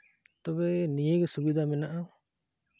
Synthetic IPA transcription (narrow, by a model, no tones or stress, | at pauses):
t̪ɔbɛnijeɡɛsubid̪ʱamɛnaʔa